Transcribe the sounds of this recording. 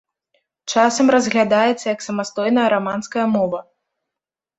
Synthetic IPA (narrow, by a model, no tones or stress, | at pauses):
t͡ʂasɐmrɐzɣlʲad̪ajɛt̪sːɐjɐksɐmast̪ɔjnɐjɐɾamanskɐjɐmɔvɐ